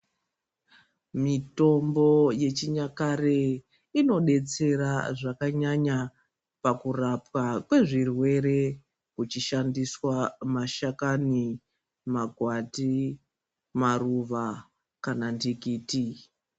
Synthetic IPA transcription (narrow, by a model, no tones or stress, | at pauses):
mito̞mbo̞je̞t͡ʃiɲakare | ino̞ɗe̞t͡se̞ɾaʐakaɲaɲa | pakurapwakwe̞ʐirwe̞ɾe̞ | kut͡ʃiʃandiswamaʃakani | maɡʱwati | maruʋa | kanandikiːti